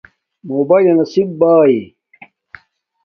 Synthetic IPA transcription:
moːbaːjlɐnɐsibbaːi

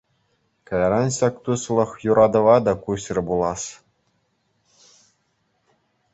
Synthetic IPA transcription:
kɑjɑɾɑnɕɑkt̪uslˠɤ̆χjuɾʔɑd̪ɤ̆ʋɑd̪ɑkuɕrʲɘ̆bulˠɑs

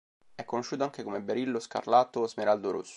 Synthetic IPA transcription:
ɛkːonoʃːuːt̪̬oaŋkekomebeɾilːoska̰rlaːt̪ozmeɾald̪oɾo̰sːo̥

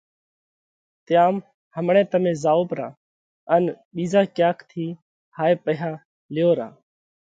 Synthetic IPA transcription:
t̪jaːm | həmɳẽːt̪əmẽːzaːoːpɾã̰ː | ən | ɓiːzaːkjaːkʰt̪ʰiː | haːeːpəɦjãː | lɪjoːɾã̰ː

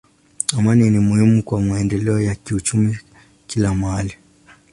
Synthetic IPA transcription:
amaninimuhimukwamaɛndɛlɛɔjakiut͡ʃumi | kilamali

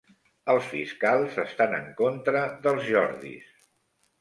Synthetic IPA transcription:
əlˠsfḭskalˠzəst̪anəŋkont̪ɾəðəlˠzʒɔɾðḭs

